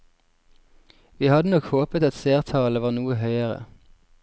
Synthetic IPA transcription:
ʋiːhɑd̪ənɔkhoːpət̪ɑt̪seːʁt̪ʰɑːləʋɑːʁnuːəhœʏəʁə̰

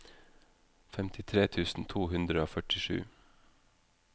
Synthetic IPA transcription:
fɛmt̪ʰɪt̪ʰɾeːt̪ʰʉːsn̩t̪ʰuːhʉnd̪ɾəoːfœʈɪʃʉ̰ː

